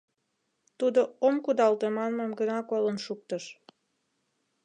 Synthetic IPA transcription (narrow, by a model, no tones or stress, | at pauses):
t̪ud̪oomkud̪ɑlt̪emɑnmemɡənɑkolənʃuk̚t̪əʃ